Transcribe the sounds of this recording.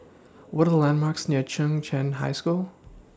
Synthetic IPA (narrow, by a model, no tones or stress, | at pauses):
wʌɾəðəlæ̃nmɑɹksnɪɹt͡ʃʰʌ̃ŋt͡ʃʰɛ̃nɦa̰ɪskulˠ